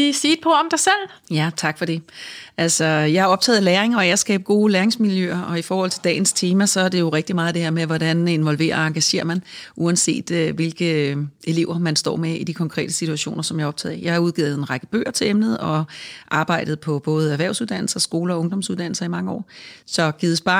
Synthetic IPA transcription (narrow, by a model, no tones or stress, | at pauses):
isiːd̥pʰɒɒmd̥asel̰ | jæt͡sʰɑ̈ɡ̥fɒɾe̝ʔælsɒjɑ̈ɪhɑ̈ɒ̽b̥̚t͡sʰɛ̰ːð̞̩ˠleːɐʁeŋɐɒasɡ̥ɛ̰ːb̥̚ɡ̥o̝ːlæːɐʁeŋsmiljøɐɒ̽ifɒːhɒ̽l̰t͡sʰe̝ld̥ɛ̰ːn̩st͡sʰe̝ːmæsɒ̽æɐd̥e̝jo̝ʁɛɡ̥̚d̥imɑ̈ːð̞̩ˠd̥e̝heɐmeʋɒd̥æne̝nʋɒ̽lʋe̝̰ːɐɑ̈ŋɡ̥æɕe̝̰ːɐmænʔuænse̝̰ːd̥øʋe̝lɡ̥əʔe̝le̝ʊ̰ɐmænsd̥ɒ̰ːmeid̥ikʰɒ̽ŋkʰʁɛ̰ːd̥əsit͡sʰuæɕo̝̰ːnɐsɒ̽mjɑɒ̽b̥t͡sʰɛ̰ːðˠijɑ̈ɪhɑ̈uð̞ˠɡḭð̩ˠe̝nʁɑ̈ɡ̥əb̥ø̰ːɐt͡sʰe̝lemnəð̞̩ˠɒ̽ʔɑ̈ːb̥ɑ̈ɪ̰d̥ð̩ˠpʰɒ̽b̥ɔːð̞ˠæʋæɐʊsuðˠd̥æn̰l̩sɐsɡ̥o̝ːlɐɒ̽ɔ̽ŋd̥ɒ̽msuð̞ˠd̥æn̰l̩sɐimɑ̈ŋəɒ̰ːsɒ̽ɡ̥iðˠəsb̥ɑ̈